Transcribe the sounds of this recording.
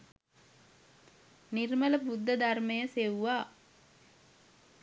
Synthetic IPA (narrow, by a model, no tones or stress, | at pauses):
niɾmələbud̪ːəd̪armejəseʋuʋaː